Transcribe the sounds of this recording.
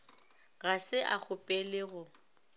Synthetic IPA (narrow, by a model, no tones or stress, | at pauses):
ɣasɪʔak͡xʰʊpʼɛlɪɣʊ